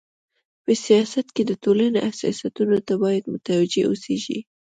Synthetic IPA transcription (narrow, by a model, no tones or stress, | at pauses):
pəsijɑsat̪ked̪ətolaneʔahsɑ̰sat̪unot̪abɑjad̪mʊt̪awad͡ʒeoseʒḭ